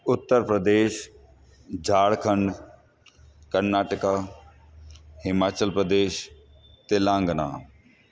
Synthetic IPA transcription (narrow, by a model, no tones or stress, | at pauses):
ʊt̪ːəɾpɾəd̪eːʃ | d͡ʒʱaːɽkʰə̃ɳɖ | kəɾnaːʈəka | ɦɪmaːt͡ʃəlpɾəd̪eːʃ | t̪elãːŋɡna̰ː